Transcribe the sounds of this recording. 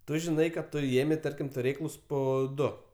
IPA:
ˈtʊ ʒʲɪˈnɐɪ kɐt ˈtʊ ˈeːmʲɛɪ ˈtɐrʲkʲɪm tʊˈrʲeːklˠʊs ˈpoː ˈdʊ

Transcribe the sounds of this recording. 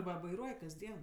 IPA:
ˈʋɐ ʋɐɪˈruɔj kɐzʲˈdʲiɛn

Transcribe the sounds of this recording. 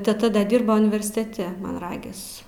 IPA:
tʲɛˈtɐ ˈdɐ ˈdʲɪrboː ʊnʲɪʋʲɛrʲsʲɪtʲɛˈtʲɛ mɐn ˈrɑːɡʲɪs

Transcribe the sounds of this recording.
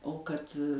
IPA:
oː kɐt

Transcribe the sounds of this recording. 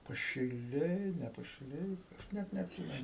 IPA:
pɐʃʲɪˈlʲɛɪ nʲɛ pɐʃʲɪˈlʲɛɪ ˈnʲɛt nʲɛɐtʲˈsʲiːmʲɛnʊ

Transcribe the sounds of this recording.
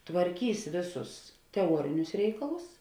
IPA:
tʋɐrʲˈkʲiːs ˈʋʲeːˌsʊs tʲɛˈuɔrʲɪnʲʊs ˈrʲɛɪkɐlˠʊs

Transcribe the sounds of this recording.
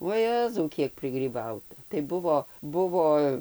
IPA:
ʋuɔ ˈjæːzɐʊ ˈkʲiɛk pʲrʲɪɡrʲiːˈbɐʊtɐ tɐɪ ˈbʊʋoː ˈbʊʋoː

